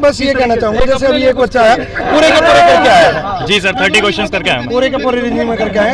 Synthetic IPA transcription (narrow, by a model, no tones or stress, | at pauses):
bəsɪekɛnat͡ʃaːɦũŋɡed͡ʒɛːseɐbieːkbətːʃaɦɛːpuːɾekɐpoːɾekɐɾkeaaɦd͡ʒiːsəɾt̪ʰəɾʈiːkoːʃənskɐɾkeaːɦpuːɾekɐpoɾeɾɪnjũːmẽkɐɾkeaːɦ